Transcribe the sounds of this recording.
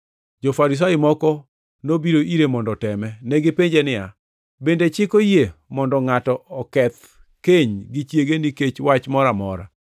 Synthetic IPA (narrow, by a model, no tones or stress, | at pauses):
d͡ʒofaɾis̬ajɪmɔkɔ | nobiɾoʔiɾemɔndɔtɛmɛnɛɡɪpeɲd͡ʒenɪa̰ | bendet͡ʃɪkojemɔndɔŋatɔɔkɛt̪ | keɲɡɪt͡ʃjeɡeniket͡ʃwat͡ʃmɔɾamɔ̰ɾa̰